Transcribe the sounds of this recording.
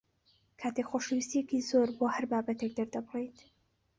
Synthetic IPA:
kʰaːt̪ekxoʃəwist̪ijekizoːɾboːhɐɾbaːbɐt̪ek̚d̪ɐɾd̪ɐbɨrejt̪

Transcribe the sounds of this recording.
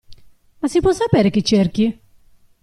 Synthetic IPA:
masipwɔsːapɛːɾek̟it͡ʃːerk̟i

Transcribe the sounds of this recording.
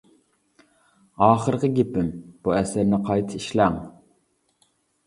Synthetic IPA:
ɑːχəɾqəɡʲepɪmb̥uɛsɪɾnɪqʰɑjt̪ʰɨiʃlæŋ

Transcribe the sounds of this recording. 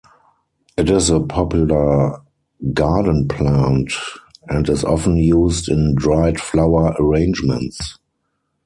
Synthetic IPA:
ʔɪtɪsəpʰɔpjulə˞ | ɡaːdn̩pʰlãntɛ̃ntɪsɔ̰fə̃n̩juːstɪ̃ndɹaɪtflaʊə˞ʔəɹẽɪ̃nd͡ʒmɛ̰̃nts

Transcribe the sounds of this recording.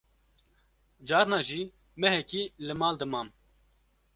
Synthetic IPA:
d͡ʒɑːɾnɑːʒiː | mɛɦɛkiːlɨmɑːld̪ɨmɑːm

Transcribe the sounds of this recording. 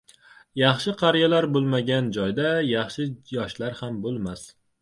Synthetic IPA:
jɑχʃɪqʰɑɾjalaɾbolˠmaɡʲand͡ʒɒjd̪ajɑχʃɪjɒʃlaɾhambolˠmas

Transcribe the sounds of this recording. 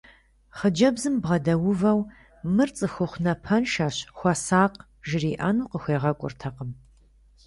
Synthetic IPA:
χəd͡ʒɐbzɨmbʁɐdɐwʊvɐw | mɨrt͡sʼɨxʷʊχʷnɐpʰɐnʃaːɕxʷɐsaːqʼ | ʒɪriːʔɐnuːqəxʷeːʁɐkʷʼʊ̰rtʰɐqəm

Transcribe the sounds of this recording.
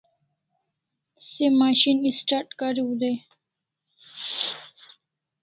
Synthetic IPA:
semaːɕinisʈaɾʈkaɾiud̪e

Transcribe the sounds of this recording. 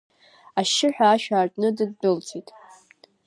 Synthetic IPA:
aʃɪħʷᶣaːʃᶣaːrtʼnɨdɨd̚bɨlt͡sʰʼitʼ

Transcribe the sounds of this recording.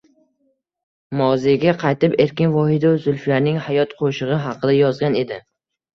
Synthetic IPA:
mɒwzeɡʲaqʰɑjt̪ɪpe̞ɾkʲɪnvɒhɪd̪aʊzʊlflaɾnɪŋhajɒt̪qʰoʃɨʁɨɦɑqʰɨd̪ajɒzɡʲane̞d̪ɪ

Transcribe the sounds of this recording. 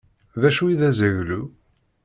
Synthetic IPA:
ðæʃuiðæzəɣlu

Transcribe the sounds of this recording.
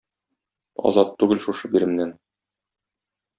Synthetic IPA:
ɒ̰zɑt̪ːʉɡɘlʃuʃɤbiɾɘ̆mnæn

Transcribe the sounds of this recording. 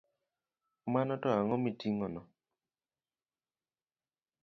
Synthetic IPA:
manɔtɔaŋɔmitiŋɔnɔ

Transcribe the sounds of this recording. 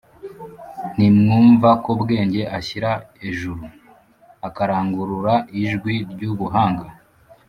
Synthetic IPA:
nimŋuːɱvakobɡe̞ːɲɟe̞ʔaçiɾa | eʒuɾu | akaɾaːŋɡuɾuɾaʔiʒɡwiɾɟuβuɦaːŋɡa

